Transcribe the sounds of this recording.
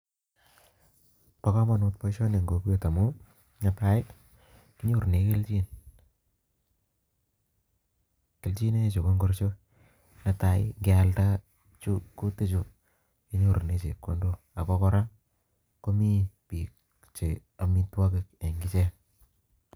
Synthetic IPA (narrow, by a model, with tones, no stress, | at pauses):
pa˨kɔ˦mɔ˨nu˧tpɔ˦ʃo˦ne˨ŋɡo˨ku˦e˦ta˨mu˦ | ɲa˦pa˦ɪ | ki˦ɲu˦ɾne˨ke˦lt͡ʃi˦n | ke˨lt͡ʃi˦ne˦t͡ʃo˨ko˦ŋɡo˦rt͡ʃo˦ | na˦ta˨ɪŋɡɪ˦a˦lta˦ | t͡ʃu˦ku˦ti˦t͡ʃu˨ | ki˦ɲo˦˨ɾne˦t͡ʃḛ˨kːo̰˦ndo˦ | a˨kɔ˦kɔ˦ɾa˦ | ko˦mi˦pi˨k | t͡ʃe˨ | a˨mi˦twa˦kɪ˨ke˨ŋɡi˦t͡ʃe˦